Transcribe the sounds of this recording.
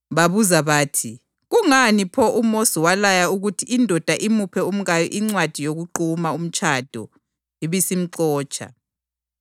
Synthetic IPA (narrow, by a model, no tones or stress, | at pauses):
βaβuzaβaːtʰi | ɣuŋanipʰɔʔumosiwalajauɣutʰiʔːndʱɔd̥ʱaʔimupʰɛum̩ɣajɔ̰ʔiŋ͡ǀwad̥ʱijoɣuǃumaum̩t͡ʃʼʰad̥ʱɔ | iβisim̩ǀɔːt͡ʃʰʼa̰